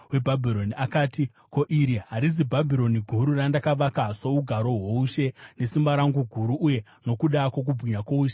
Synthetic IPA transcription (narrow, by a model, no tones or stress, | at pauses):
we̞bʱabʱiɾo̞niʔakaːti | ko̞ʔiɾiɦaɾizibʱabʱiɾo̞niɡʱuɾurandakaʋakasouɡʱaɾo̞ɦwouʃe̞ne̞simbaɾaŋɡuɡʱuɾuʔːje̞ | no̞kuɗakok̬ub͡vʱiɲakouːʃe